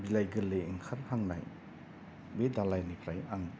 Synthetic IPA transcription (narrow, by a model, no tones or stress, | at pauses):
bilajɡɯleːŋkʰaɾhaŋna̰j | bedalajnipʰɾajaŋ